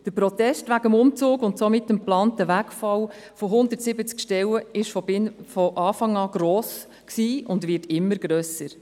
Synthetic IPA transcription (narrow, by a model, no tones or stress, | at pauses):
d̥əpɾɔtɛstʋæɡəmʊmt͡suːɡʊntsɔmɪtːəmplɑːntəʋækfɑw | fɔɦʊndəɾtsɪbət͡skʃtɛwəɪʃfɔɪnfɔʔɑːfɑŋɑːɡ̥ɾɔːs | ksiːʊndʋɪtɪmːəɾɡ̥ɾœːsəɾ